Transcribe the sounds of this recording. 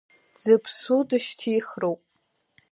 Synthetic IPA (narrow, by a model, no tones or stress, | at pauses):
d͡zɨpʰsudɨʃtʰijχrowpʼ